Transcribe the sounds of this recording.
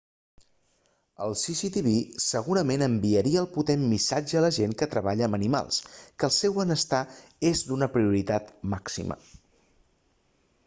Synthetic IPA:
ə̰lˠsisit̪iβisəɣ̞uɾəmenəmbiəɾiəːlˠput̪emːisad͡ʒəːləʒeŋkət̪ɾəβaʎəːmənima̰lˠskəlˠsɛwənəst̪aezd̪unəpɾiuɾit̪at̪maksḭmə̰

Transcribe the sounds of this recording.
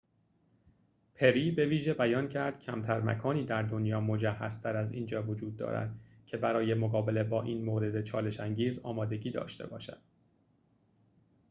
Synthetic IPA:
pʰe̞ɾiːbe̞viːʒebæjɒːncʰæɾd̪̥cʰæmt̪ʰæɾmæ̰kʰɒːniːd̪æɾd̪o̞njɒːmo̞d͡ʒæhːæ̰zt̪ʰæɾæzḭːnd͡ʒɒːvo̞d͡ʒuːd̪̚ːɒ̰ːɾæ̰d̪̥ | cʰe̞bæɾɒːje̞moɣɒːbe̞lebɒːʔiːnmoːɾe̞d̪e̞t͡ʃʰɒːle̞ʃæŋɟiːzɒ̰ːmɒːd̪e̞ɟiːd̪ɒ̰ːʃt̪e̞̰bɒ̰ːʃæ̰d̪̥

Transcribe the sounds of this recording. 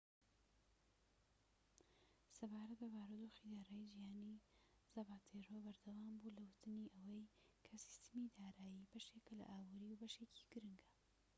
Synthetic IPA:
sɐbaːɾɐt̪̚bɐbaːɾod̪oxid̪aːɾaːjid͡ʒijaːni | zɐbaːt̪ʰeɾoːbɐɾd̪ɐwaːmbulɐwɨt̪ɨniʔɐwɐjkʰɐsi̥st̪ɨmid̪aːɾaːjibɐʃe̞kɐlɐ̰ʔaːbuːɾiwbɐʃecʰi̥ɡ̥ɨɾɨŋɡa

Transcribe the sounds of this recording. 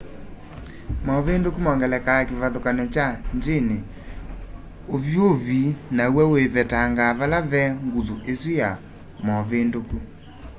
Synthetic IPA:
mɔβendokumɔŋɡɛlɛkaakeβaðokanɛt͡ʃandene | ovjovinawɛweβɛtaŋɡaβalaβɛŋɡuðuʔeswija | mɔβendoku

